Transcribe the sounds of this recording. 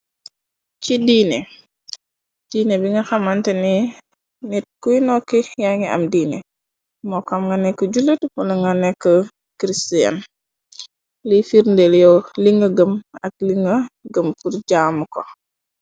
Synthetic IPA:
t͡ʃidiːne | d̥iːnebiŋɡɐxamantɛni | nɛt̚kujnɔkːijaŋia̰mdiːnɛ | mɔkamŋɡanɛkːɔɟulətpunaŋɡanɛkːɔ | kɾistija̰n | lifiɾndeljɔliŋɡəɡəmɐk̚liŋɡəɡəmfuɾɟamukɔ

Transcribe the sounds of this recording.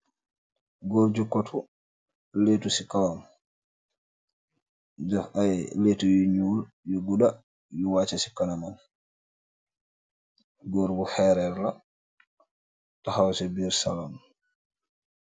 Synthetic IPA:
ɡɔɾd͡ʒukːɔtʰu | letusikawam | d͡ʒafajletujuɲuːl | jɔɡuda | jɔwaːt͡ʃasi̥kanaman | ɡɔɾbuhɛɾɛɾla | tahawsɛbiɾsalam

